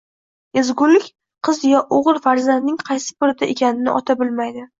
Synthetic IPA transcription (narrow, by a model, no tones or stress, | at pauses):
ezɡʊlɪkʲ | qʰɨzjɒʔoʁɨɾfaɾzand̪nɪŋqʰɑjsɪ̥pʊɾɪt̪ʰaekʲʰanɪnɪ̰ʔɒt̪ʰabɪlmajd̪ɪ